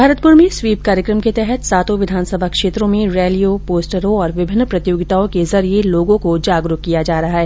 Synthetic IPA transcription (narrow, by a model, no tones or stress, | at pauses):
bʱaːɾət̪pʊɾmẽsʋiːp̚kaːɾjəkɾəmket̪ɛɦɛt̪saːt̪õʋɪd̪ʱaːnsəbʱakʃeːt̪ɾõmẽɾɛːlijopoːsʈəɾõɔːɾʋɪbʱɪnːpɾɐt̪joːɡɪt̪aõkezɐɾieloːɡõkod͡ʒaːɡɾʊkkːijad͡ʒaːɾɐɦaɦɛː